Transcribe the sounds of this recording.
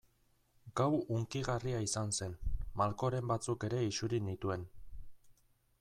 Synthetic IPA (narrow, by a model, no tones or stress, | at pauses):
ɡ̥awuŋkiɣariaisanse̞nmalko̞ɾe̞mbat͡suke̞ɾe̞isuɾinit̪ue̞n